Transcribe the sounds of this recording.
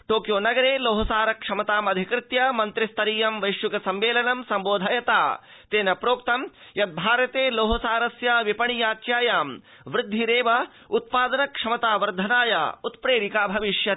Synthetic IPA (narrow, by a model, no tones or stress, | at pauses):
ʈoːkjoːnɐɡɐɾeːloːɦɐsaːɾɐkʂɐmɐt̪aːmɐd̪ʱikɾɪt̪jɐmɐnt̪ɾɪst̪ɐɾiːjɐmʋɐjʃjukɐsɐmʋeːlɐnɐmsɐmboːd̪ʱɐjɐt̪a̰ː | t̪eːnɐpɾoːk̚t̪ɐmjɐt̪̚bʱaːɾɐt̪eːloːɦɐsaːɾɐsjɐʋipɐɳijaːt͡ʃjaːjaːm | ʋɾɪd̪ʱːiɾeːʋɐ | ut̪̚paːd̪ɐnɐkʂɐmɐt̪aːʋɐɾd̪ʱɐnaːjɐ̰ut̪pɾeːɾikaːbʱɐʋiʃjɐ